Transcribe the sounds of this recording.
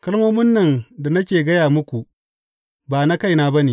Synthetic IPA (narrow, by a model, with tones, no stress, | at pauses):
kɐ˦lmoː˦mɪ˦nːɐ˨nda˨nɐ˦k̬ʲeː˨ɡɐ˦jaː˨mʊ˦kʷu˨ʔ | baː˨na˦ka˦jnaː˦bɐ˦neː˨